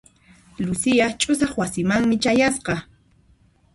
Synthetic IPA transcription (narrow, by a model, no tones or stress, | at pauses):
lʊsɪjat͡ʃʼʊsɑχwasɪmaŋmɪt͡ʃajasqɑ